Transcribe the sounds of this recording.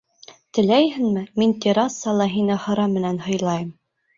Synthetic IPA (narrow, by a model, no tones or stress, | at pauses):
t̪ɘ̆læjhɘ̆nmɘmint̪ʲeɾɑsːɑlˠɑɦinɘχɑ̆ɾɑmːɘ̆nænhɤ̆jlˠɑjɤm